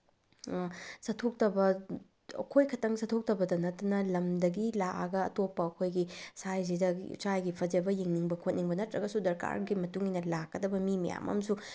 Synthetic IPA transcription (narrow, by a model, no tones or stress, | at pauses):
sɐtʰok̚tɐbɐ | ɐ̰kʰojkʰɐtɐŋsɐtʰok̚tɐbɐdɐnɐtːɐnɐlɐmdɐɡilaʔɐɡɐ̰ːtopːɐːkʰojɡisajs̬idɐsajɡipʰɐd͡ʒɐbɐjiŋniŋbɐkʰot̚niŋbɐnɐtɾɐɡɐsudɐɾka̰ɾɡimɐtuŋinɐlakːɐdɐbɐmimɐ̰ja̰mɐ̰msu